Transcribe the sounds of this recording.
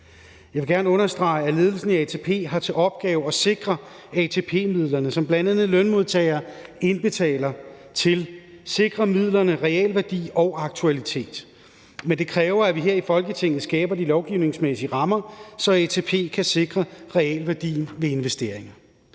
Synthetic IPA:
jɑʋe̝ɡ̥æɐnəɔ̽nɐsd̥ʁɑ̈ɪæle̝ːð̞ˠl̩sn̩æɛt͡sʰe̝pʰe̝̰ːɦɑ̈t͡sʰe̝ʔɒ̽b̥̚ɡ̥ɛːʊɒ̽se̝ɡ̥ʁɐ | ɛt͡sʰe̝pʰe̝̰ːmið̰ˠlɐnəsɒ̽mb̥lænd̥ænð̩ˠlœnmo̝ð̞ˠt͡sʰɛːɪɐːe̝nb̥e̝t͡sʰɛ̰ːlɐ | t͡sʰe̝l | se̝ɡ̥ʁɐmið̰ˠlɐnəʁɛɛ̰lʋæɐd̥ḭːɒ̽ʊɑ̈ɡ̥̚t͡sʰuælit͡sʰe̝̰ːd̥ | mend̥e̝kʰʁɛːʊɐæʋiɦeɐ̰ifɒ̽lɡ̥ət͡sʰe̝ŋ̰ð̩ˠsɡ̥ɛːb̥ɐdilɒʊɡ̥iʊ̰ne̝ŋsmesiəʁɑ̈mɐsɒ̽ɛt͡sʰe̝ːpʰe̝̰ːkʰæse̝ɡ̥ʁɐʁɛɛlʋæɐd̥ḭːnʋe̝e̝nʋesd̥e̝̰ɐ̰eŋɐ

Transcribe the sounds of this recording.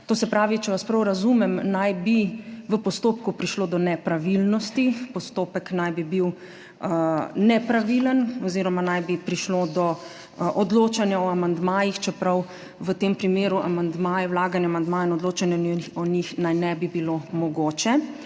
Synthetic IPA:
t̪oːsɛpɾaːʋit͡ʃɛʋaspɾɐwɾazumɛmnajbiʋəpɔst̪oːpkupɾiʃloːd̪ɔnɛpɾaʋilnɔst̪ipɔst̪oːpəknajbibiw | nɛpɾaʋilənɔziːɾɔmanajbipɾiʃloːd̪ɔ | ʔɔd̪loːt͡ʃanjaɔamand̪maːjixt͡ʃɛpɾaw | ʋət̪empɾimeːɾuʔa̰mand̪maːjɛwlaːɡanjamand̪maːjainɔd̪loːt͡ʃanjaiɔnixnajnɛbibilomɔɡoːt͡ʃɛ

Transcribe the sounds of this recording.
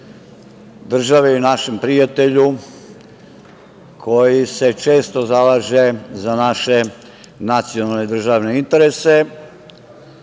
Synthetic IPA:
d̪r̩ʒaʋejunaʃe̞mpɾijat̪eʎu | kʰo̞jise̞t͡ʃe̞ːst̪o̞zalaːʒezanaʃe̞ | nat̪sijonalned̪r̩ʒaʋne̞int̪e̞ɾese̞

